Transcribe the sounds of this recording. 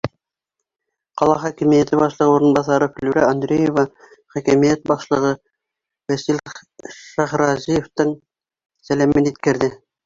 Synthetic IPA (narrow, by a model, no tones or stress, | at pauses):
qɑlˠɑχækɘ̆mijæt̪ɘbɑʃlˠɤ̆ʁɤuɾɤ̆nbɑsɑɾɤfɘ̆lʉɾæ̰ɑnd̪ɾʲejevɑ | χækæmijæt̪̚bɑʃlˠɤ̆ʁɤ | wæsilʃæχɾɑzijeft̪ɤɴ | sælæmɘnit̪kɘ̆ɾðɘ